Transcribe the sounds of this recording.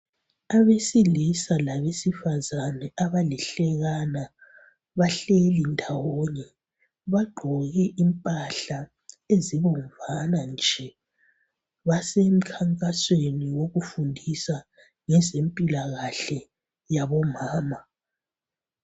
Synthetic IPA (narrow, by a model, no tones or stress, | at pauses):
aβesilisalaβesifazanɛaβalɛɬɛɣana | βaɬelindʱawɔɲɛ | βaɡ͡ǃʱɔɣɛʔimpʼaɬa | eziβɔɱvanand͡ʒʱɛ | βasem̩kʰaŋkʼasweniwoɣufundʱisa | ŋɛzempʼilaɣaɬɛ | jaβɔmaːma